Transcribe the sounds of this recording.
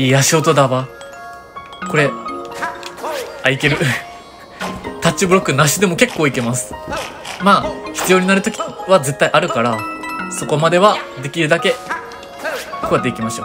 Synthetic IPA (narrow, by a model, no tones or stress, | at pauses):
iːjaɕiot̪o̞d̪aβa | ko̞ɾe̞ | aik̪e̞ɾɯ̟ | t̪at͡ɕːibɯ̟ɾo̞kːɯ̟naɕid̪e̞mo̞ke̞kːo̞ːike̞masɨ̥maːçʲi̥t͡sɨjo̞ːɲ̟inaɾɯ̟t̪o̞kʲiβaze̞t̪ːaiʔaɾɯ̟kaɾaso̞ko̞mad̪e̞βad̪e̞kʲiɾɯ̟d̪ake̞ | koat̪ːe̞ikʲimaɕo̰